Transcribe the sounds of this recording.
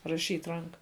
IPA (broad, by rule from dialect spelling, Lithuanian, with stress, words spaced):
rɐˈʃʲiːtʲ ˈrɐŋkɐ